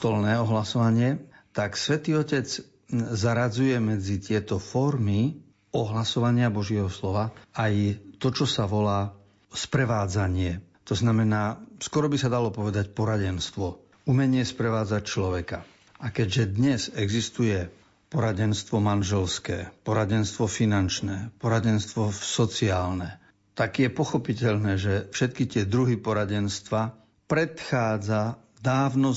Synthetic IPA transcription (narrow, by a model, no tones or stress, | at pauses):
t̪ɔlnɛːɔɦlasɔʋaɲɪɛt̪aksʋɛt̪iːɔcɛd͡z | zaɾad͡zujɛmɛd͡zit̪ɪɛt̪ɔfɔɾmi | ɔɦlasɔʋaɲɪabɔʒɪɛɦɔslɔʋaajt̪ɔt͡ʃɔsaʋɔlaː | spɾɛʋaːd͡zaɲɪɛ | t̪ɔznamɛnaːskɔɾɔbisad̪alɔpɔʋɛd̪acpɔɾaɟɛnst̪ʋɔ | umɛɲɪɛspɾɛʋaːd͡zac̚t͡ʃlɔʋɛka | ʔakɛɟʒɛd̪ɲɛzɛɡzist̪ujɛ | pɔɾaɟɛnst̪ʋɔmanʒɛlskɛ̰ːpɔɾaɟɛnst̪ʋɔfinant͡ʃnɛːpɔɾaɟɛnst̪ʋɔsɔt͡siaːlnɛ | t̪aɡjɛpɔxɔpicɛʎnɛːʒɛfʃɛt̪kit̪ɪɛd̪ɾuɦipɔɾaɟɛnst̪ʋa | pɾɛt̪xaːd͡za | d̪aːʋnɔ